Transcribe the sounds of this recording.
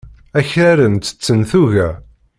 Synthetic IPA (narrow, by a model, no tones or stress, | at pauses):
æçæɾənt̪ə̥t͡sːənθuʝæ